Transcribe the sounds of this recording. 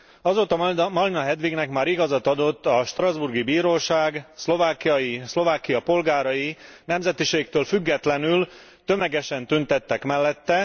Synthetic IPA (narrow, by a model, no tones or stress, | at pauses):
ɒzoːt̪ɒmɒlinɒɦɛd̪ʋiɡnɛkmaːɾiɡɒzɒt̪ɒd̪o̞t̪ːɒʃt̪rɒzburɡibiːɾoːʃaːɡslo̞vaːkːijɒjislo̞vaːkijɒpo̞lɡaːɾɒjinɛmzɛt̪iʃeːkt̪øːlfyɡːɛt̪lɛnyl | t̪ø̞mɛɡɛʃɛnt̪ynt̪ɛt̪ːɛkmɛlːɛt̪ːɛ